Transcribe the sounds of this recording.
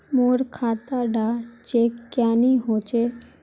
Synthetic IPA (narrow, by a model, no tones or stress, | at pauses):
moːɽkʰaːt̪aɖat͡ʃekːjaːniɦot͡ʃe